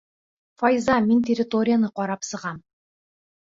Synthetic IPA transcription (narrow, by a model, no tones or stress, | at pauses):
fajzamʲent̪ʲerʲɪt̪o̞ɾʲɪjanəqɒɾɑpsɤ̆ʁɑm